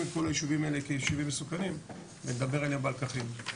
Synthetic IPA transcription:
iko̞lajiʃuvimaelekejiʃuvimːesukanim | vened̪abe̞ʁelebalkaχim

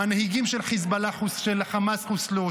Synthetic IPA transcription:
anehiɡimʃelχizbalaχusʃelχamasχuslo

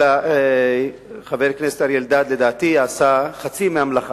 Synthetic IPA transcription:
a | χaveʁknese̥t̪aɾjeld̪ad̪led̪aːt̪ijaːsaχat͡simeamlaχa

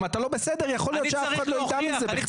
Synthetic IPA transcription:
mat̪alo̞be̞sed̪eʁjaχo̞lijo̞tʃeafχad̪loid̪amezebeχ

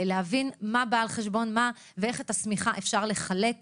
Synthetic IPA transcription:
leɦavinmabaːlχeʃbo̞nma | vee̞χetasmiχaʔefʃaʁle̞χale̞k

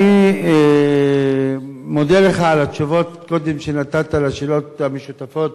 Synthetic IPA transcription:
ie | mod̪eleχaːlat̪ʃuvo̞t̪ko̞d̪emʃenat̪at̪alaʃelo̞t̪hameʃut̪afo̞t̪̚

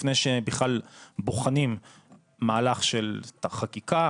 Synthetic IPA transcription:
fnejʃebiχlalboχanim | maːlaχʃelaχakika

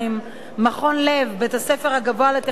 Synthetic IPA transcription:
imː | aχo̞nlevbeet̪hase̞feʁhaɡaboalet̪e

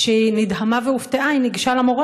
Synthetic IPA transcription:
ʃenid̪ɦamaveuft̪eʔainiɡiʃalamoʁa

